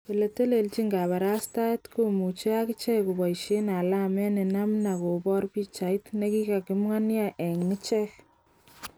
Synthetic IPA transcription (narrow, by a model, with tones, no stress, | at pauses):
e˨le˨te˦le˨lt͡ʃi˦ŋɡa˨βa˨ɾa˦sta˦tko˦mu˨t͡ʃe˦a˦kɪ˦t͡ʃɛ˦ku˨bɔ˨iʃe˦na˨la˦mɛ˦ne˨na˦mna˨ko˨bɔ˦ɾbi˦t͡ʃa˨jtne˦ki˦ka˨kɪ˦mŋa˦nja˦ʔɛ˨ŋnɪ˦t͡ʃɛ˦k